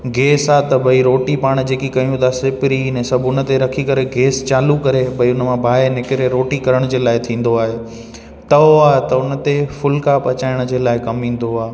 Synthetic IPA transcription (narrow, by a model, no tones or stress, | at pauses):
ɡeːsaːt̪ɐbɐiɾoːʈipaːɽ̃d͡ʑeːkikɐijũt̪aːsɪpɪɾinẽsɐbʊn̆t̪eɾɐkʰikɐɾeɡeːst͡ɕaːlukɐɾebʱɐiʊnmãbʱaːenɪkɪɾeɾoːʈikɐɾəɽ̃d͡ʑeːlaːɪt̪ʰĩːn̆d̪oaːɦe | t̪ɐoaːɦet̪ɐʊnə̆t̪efʊlkapɐt͡ɕaːɪɽ̃d͡ʑeːlaːɪkɐmĩːn̆d̪oaː